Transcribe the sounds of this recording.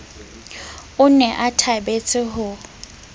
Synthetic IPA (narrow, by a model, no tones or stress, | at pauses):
ʊnɛʔatʰabet͡sʼɪɦʊ